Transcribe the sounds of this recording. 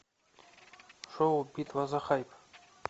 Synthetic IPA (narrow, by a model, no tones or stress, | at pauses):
ʂowbit̪ʼwazaχajpʰʼ